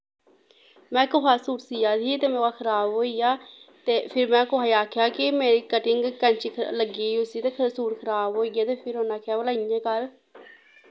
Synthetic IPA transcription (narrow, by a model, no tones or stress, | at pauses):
mɛ̃ːkʊɦaːsuːɾsiːjaːd̪iːt̪eːmɛ̃ːaːkʰəɾaːbɦoːiːjaːt̪eːpʰɪɾmɛ̃ːkʊaːiaːkʰjaːkɪmeːɾiːkəʈɪŋɡkə̃ɲt͡ʃiːləɡiːʊsiːt̪eːkʰəsuːɾkʰəɾaːbɦoːiːɡjaːt̪eːpʰɪɾɦoːnaːkʰjaːʋəlaːijẽːkəɾ